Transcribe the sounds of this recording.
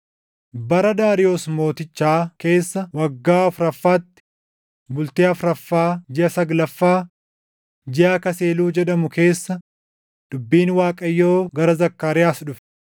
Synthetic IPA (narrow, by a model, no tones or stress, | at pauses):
bɐɾɐd̪aːɾɪjo̞ːsmo̞ːt̪ɪt͡ʃːaːke̞ːsːɐwɐɡːaːɐfɾɐfːaːt̪ːɪ̥ | bʊlt̪eːɐfɾɐfːaːd͡ʒɪɐsɐɡlɐfːaː | d͡ʒɪaːkɐse̞ːluːd͡ʒɛᶑɐmʊke̞ːsːɐ | d̪̥ʊbːiːnwaːkʼɐjːoːɡɐɾɐzɐkːaːɾɪjaːsᶑʊfɛ̥